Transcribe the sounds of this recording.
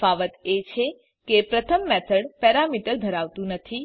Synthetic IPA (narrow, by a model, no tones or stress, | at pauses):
aʋət̪et͡ʃʰe | kepɾət̪ʰəmːɛt̪ʰəɽpɛɾamiʈəɾd̪ʱəɾaʋt̪ũnət̪ʰi